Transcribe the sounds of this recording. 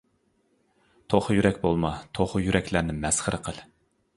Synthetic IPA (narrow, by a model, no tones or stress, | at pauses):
t̪ʰoχʊjyɾɛkʲbolˠmɑt̪ʰoχʊjyɾɛkʲlæɾnɪmɛsχəɾəqʰəlˠ